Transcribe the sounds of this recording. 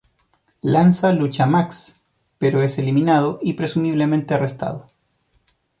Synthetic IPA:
lansalut͡ʃamaks | peɾoese̞liminað̞oʔipɾe̞sumiβlemẽnt̪earest̪a̰ð̞o

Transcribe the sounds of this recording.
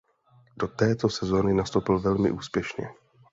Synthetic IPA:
do̞t̪ɛːt̪o̞sɛzo̞nɪnast̪owpɪlvɛlmɪ̰ʔuːspjɛʃɲɛ̰

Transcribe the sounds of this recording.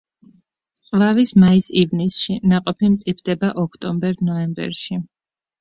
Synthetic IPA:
qʼvavismaisivnisʃinaqʼɔpʰimt̪sʼipʰd̪̥ɛbaʔɔkʰt̪ʼɔmbɛɾnɔɛmbɛ̰ɾʃi

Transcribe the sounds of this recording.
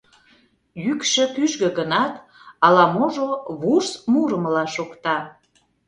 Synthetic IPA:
jykʃø̆kyʒɣø̆ɣənɑt̪ | ɑlɑmoʒoβursmuɾəmlɑʃokt̪ɑ

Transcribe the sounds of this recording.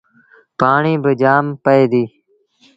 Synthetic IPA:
paːɳiːbəd͡ʒaːmpəeːd̪iː

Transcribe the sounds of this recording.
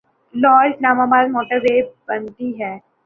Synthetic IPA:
lɔːɾslaːmaːbaːd̪mɔːʈəɾʋeːbɐnt̪iɦɛː

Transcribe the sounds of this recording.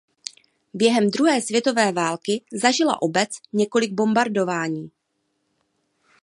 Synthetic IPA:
bjɛɦɛmd̪ɾuɦɛːsvjɛt̪o̞vɛːvaːlkɪzaʒɪla̰ʔo̞bɛt͡sɲɛko̞lɪɡ̚bo̞mbaɾdo̞vaːɲiː

